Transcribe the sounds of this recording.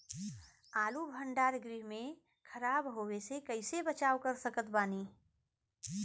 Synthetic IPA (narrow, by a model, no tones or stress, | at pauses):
aːlubʱə̃ɳɖaːɾɡɾiɦmẽ | kʰəɾaːbɦoːwesekəɪsebət͡ʃaːwkəɾsəkət̪baːniː